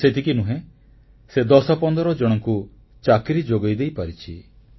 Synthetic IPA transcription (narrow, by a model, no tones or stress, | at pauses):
set̪ʰikinuɦẽ | sed̪ɔsɔpɔnd̪ɔɾɔd͡ʒɔɽ̃ɔŋku | t͡ʃakɾid͡ʒoɡɔjd̪ejpaɾit͡ʃʰi